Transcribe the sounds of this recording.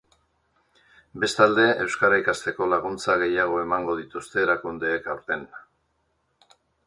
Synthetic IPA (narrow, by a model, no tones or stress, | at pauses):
be̞st̪ald̪e̞ʔe̞wskaɾaikast̪e̞ko̞laɣ̞unt͡saɣ̞e̞jaɣ̞o̞e̞maŋɡo̞ð̞it̪ust̪e̞ːɾakund̪e̞ːkawɾt̪e̞n